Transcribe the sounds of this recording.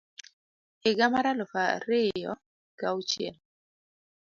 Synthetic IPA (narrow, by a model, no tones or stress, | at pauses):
ɪɡamaɾalɔfaɾɪjɔ̰ | kaut͡ʃjɛ̰l